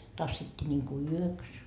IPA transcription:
tɑsːitːiː nʲiŋku yøks

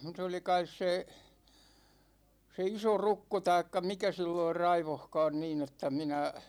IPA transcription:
s oli kɑis se se isorukːo tɑikːɑ mikæ silːoir rɑiʋohkɑːn niːn etːæ minæ

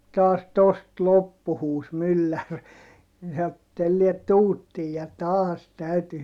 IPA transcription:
tɑːs tost lopːu huːs mylːær ni sɑo et telːiɛt tuːtːiːj jɑ tɑːs tæyty

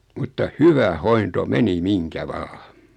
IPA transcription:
mutːɑ hyʋæ hointo meni miŋkæ ʋɑː

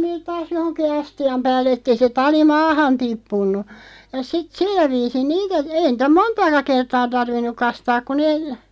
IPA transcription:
neːt tɑːs johonki ɑstiɑm pæːlːĕ etːei se tɑli mɑːhɑn tipːunːu jɑ sit silːæ ʋiːsin niːtæ ei nĭtæ montɑːkɑ kertɑː tɑrʋinːuk̆ kɑstɑːk̆ ku neː

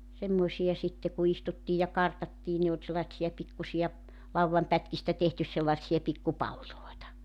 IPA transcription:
semːoĭsijɑ sitːe ku istutːiːj jɑ kɑrtɑtːiː ne ol selːɑĭtsijɑ pikːusiɑ lɑuwʋɑmpætkistæ tehtys selːɑĕtsiɑ pikːu pɑlːiloitɑ

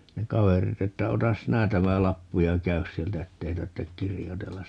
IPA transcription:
ne kɑʋerit etːæ otɑs sinæ tæmæ lɑpːu jɑ kæys sieltæ etːei tɑrtːek kirjotelːɑs

